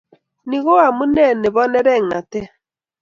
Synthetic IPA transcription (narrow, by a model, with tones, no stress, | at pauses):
ni˨ɣo˦a˨mu˦nɛ˦˨ne˨βɔ˦nɛ˦ɾɛ˦˨ŋa˨te˦